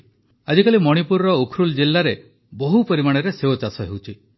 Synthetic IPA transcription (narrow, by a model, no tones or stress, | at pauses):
ad͡ʒikalimɔɽ̃ipuɾɾɔukʰɾuld͡ʒilːaɾe | bɔɦupɔɾimaɽ̃eɾeseot͡ʃasɔɦewt͡ʃʰi